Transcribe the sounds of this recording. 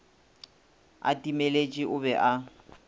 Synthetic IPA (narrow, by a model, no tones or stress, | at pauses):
a̰tʼimelet͡ʃʼiʔʊbɛʔa